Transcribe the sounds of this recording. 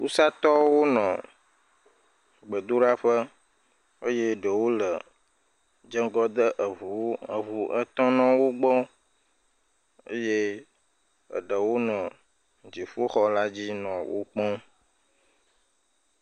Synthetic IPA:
ku˦sa˦t̪ɔ˦wo˦nɔ̰̃˨ | ɡ͡bə˨d̪o˦ɖa˦ɸə˦ | ə˦je˦ɖə˨wo˦lə˨ | d͡ʒə˦ŋ˦ɡɔ˦d̪ə˦ʔə˨vu˨ə˨vu˨ʔə˦t̪ɔ̃˦nɔ̃˦wo˦ɡ͡bɔ˦ | ə̰˦je˦ | ə̰˨ɖə˨wo˦nɔ̃˨ | d͡ʒi˨ɸo˦xɔ˦la˦d͡ʑi˦nɔ̃˨wo̰˦k͡pɔ̃˦

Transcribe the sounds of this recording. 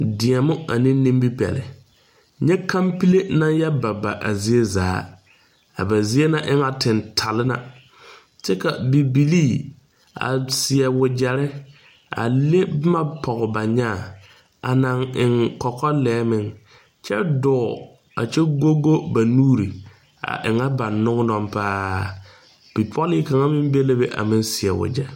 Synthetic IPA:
dɪ˨ɛ˨mʊ˦a̰˨nɪ̃˦nĩ˦mbi˦pɛ̰˨lɪ̰˨ | ɲɛ˦kʰã˦mpi˦le˦na˦jɛ˦ba˨ba̰˨ʔa̰˨zi˦e˦za̰ː˨˦ | a̰˨ba˨zi˦e˦na˦ʔɪ˦ŋa˨tɪ˨ntʰa˨lɪ˦na̰˨ | t͡ʃɛ˦ka˨bi˨bi˨liː˦˨ | a̰˨sɪ˨ɛ˨wʊ˨d͡ʒɛ˨ɾɪ˦ | a̰˨le˦bma˦pʰɔ˨ɣɔ˨ba˨ɲa˦˨ | a̰˨na˨ŋɪ˨ŋkɔ˨kɔ˦lɛː˨˦mɪ˦ŋ | t͡ʃɛ̰˦dɔː˨ | a̰˨t͡ʃɛ˦ɡo˦ɡo˦ba˨nuː˦ɾi˨ | a̰˨ʔɪ˨ŋa˦ba˨nːʊ˦ŋ˦nɔ˦˨mpaː˦ | b̥i˨pʰɔ˦li˦ka˨ŋa˦mɪ˦m˦be˦le˦be˦ʔa̰˨mɪ˦nsɪ˨ɛ˨wʊ̰˨d͡ʒɛ˦

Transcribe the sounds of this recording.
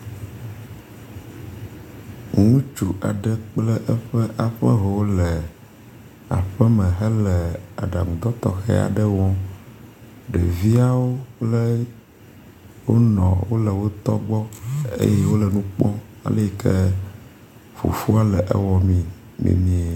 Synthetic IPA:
ŋũ˦t͡ʃu˨ʔa˨ɖə˦k͡plə˦ʔɛ˦ɸə˦ʔa˨ɸə̰˦ɦɛ˨wo˦lə˨ | a̰˨ɸə˦mɛ̃˨ɦə˦lɛ˨a̰˨ɖa˨ŋũ˨d̪ɔ˦t̪ɔ˦xɛ̰˦a̰˨ɖə˦wɔ̃˦ | ɖɛ̰˨vi˦a˦wo˦k͡plə˦ | wo˦nɔ̰̃˨wo˦lə˨wo˦t̪ɔ̰˦ɡ͡bɔ˦ḛ˦je˦wo˦lə˨nũ˦k͡pɔ̃˦ | a̰˨le˦˨˦ke˦ | fṵ˨fu˦a˦lɛ˨ʔɛ̰˦wɔ˨mĩ˦ | mʔḭ˨mĩ˨˦ɛ˨

